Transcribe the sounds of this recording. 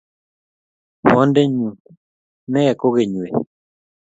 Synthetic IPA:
wɔ˦ndɛ˦ɲu˨t̪̚ | nɛ˦ɛ˨ko˦ɡe˨ɲwe˨

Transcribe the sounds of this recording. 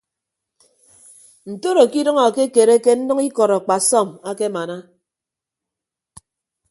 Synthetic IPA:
n̩˨to˦ɾo˨ki˦dɔ˦ŋɔ˨ke˦ke˨ɾe˦ke˦n̩˦nʌ˦ŋi˦kɔ˨ɾɔ˨k͡pa˨sɔ˦˨ma˦ke˦ma˨na˦

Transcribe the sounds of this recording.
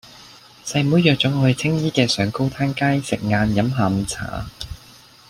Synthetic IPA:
sɐ˧jmuː˨˥jœː˨k̚t͡sʊ˨˥ŋɔ˨˧ɵ˨˧jt͡sʰɪ˥ŋjiː˥kɛː˧sœː˨˧ŋko˥wt̪ʰaː˥nkaː˥jsɪ˨k̚ŋaː˧njɐ˨˥mɦaː˨˧˩m˧t͡sʰa̰ː˨˥

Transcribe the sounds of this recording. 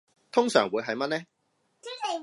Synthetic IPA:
t̪ʰʊ˥ŋsœː˨˩ŋwuː˨˧jɦɐ˨jmɐ˥t̚nɛ˥

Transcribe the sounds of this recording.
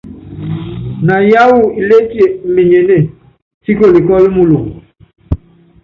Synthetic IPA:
na˨ja˦wu˦i˨le˦ti˦e˨m̩˨mi˨ɲe˨ne˦˨ | si˦ko˨li˨kɔ˦lmu˦lu˨

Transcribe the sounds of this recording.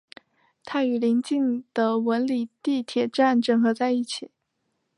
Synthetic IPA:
t̪ʰa˥y˨˩li˧˥ŋt͡ɕi˥˩ŋd̪̥ə˩wə˧˥nli˨˩t̪i˥˩t̪ʰjɛ˨˩ʈ͡ʂa˥˩nʈ͡ʂə˥˩ŋxɤ˧˥t͡sa˥˧ɪi˥˩t͡ɕʰi˨˩˦

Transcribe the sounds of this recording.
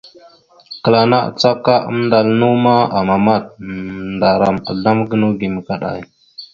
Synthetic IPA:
kə˨la˨na˦a̰˨t͡sa˦ka˦ʔə̰˦m˦nda˨lnu˦ma˦a˨ma˨ma˦˨t̚nda˨ɾa˨ma̰˨ɮa˦mɡə˦nu˦ɡi˨mə˨ka˨ɗa̰˨j

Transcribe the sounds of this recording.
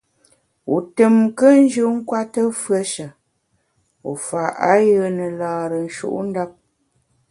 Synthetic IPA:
ṵ˨tə˨mkə˦n̩˦d͡ʒʉ˦ŋ̩˦kwa˦tə˦fɰə˦ʃə˨ | u˨fa˨ʔa˦jə˦nə˨laː˨ɾə˨n̩˦ʃṵ˦ʔn̩˦da˦p̚

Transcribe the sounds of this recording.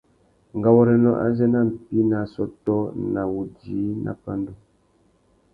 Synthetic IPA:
ŋ̩˨ɡa˨wɔ˦ɾɛ˨nɔ̰˦ʔa̰˦zɛ˦na˦˨m̩˨pi˦na˨sɔ˦tɔ˦na˨wu˨d͡ʒi˨˦nʔa̰˨pa˦ndu˦

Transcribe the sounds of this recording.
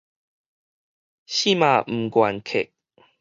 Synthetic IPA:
ɕi˥˧˨mã˨m̩˨˩kwa˨˩nkʰe˨˩k̚

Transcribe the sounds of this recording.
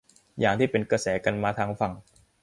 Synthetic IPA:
jaː˨˩ŋt̪ʰiː˥˩pe˧nkɾa˧sɛː˩˦ka˧nmaː˧t̪ʰaː˦˥ŋfa˨˩ŋ

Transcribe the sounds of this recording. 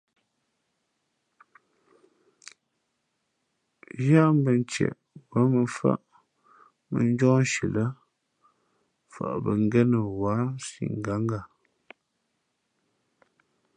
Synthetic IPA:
ja˦m˦bə˨n˦t͡ʃɛ̰˨ʔ | bə˨˦mə˨fa̰˦ʔ | mə˨n˦d͡ʒɔ̃˦n˦ʃi˨lə˦ | fa̰˨ʔbə˨ŋ˦ɡɛ˦nə˨wa˨˦sḭ˨ŋ˨ɡa˨˦ŋ˦ɡa˨

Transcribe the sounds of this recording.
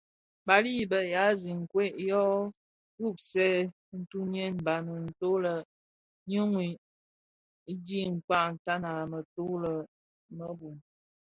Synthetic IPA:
ba˨li˦˨bə˨ja˨˦zi˨ŋ˨kwe˦ʔjɔ˦ | tu˦˨p̚sɛ˦ | n̩˦tu˦n˦ɛ˦n˨ba˨nə˨n̩˨to˦lə˨ | ɲə˦ŋwi˨˦ | di˦ŋ̩˨k͡pa˦˨n̩˨ta˦na˨lə˨mə˨to˦lə˨ | mə˦bu˨m

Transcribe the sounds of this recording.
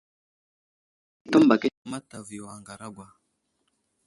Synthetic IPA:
tɔ˦mba˨kɛ˦˨ma˦ta˨vi˨a˨ŋɡa˨ɾa˦ɡwa˨

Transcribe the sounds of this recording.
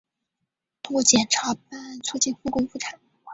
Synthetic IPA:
t̪wɔ˥˩t͡ɕjɛ˨˩nʈ͡ʂʰa˧˥p̚a˥˩nt͡sʰu˥˧t͡ɕi˥˧nfu˥˩kʊ˥ŋfu˥˩ʈ͡ʂʰa˨˩˦n˥˩

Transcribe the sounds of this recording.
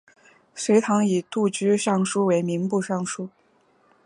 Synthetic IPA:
ʂwe˧˥ɪt̪ʰɑ˧˥ŋi˨˩t̪u˥˩t͡ɕy˥ʂɑ˥˩ŋʂu˥we˧˥ɪmi˧˥ŋpu˥˧ʂɑ˥˩ŋʂu˥

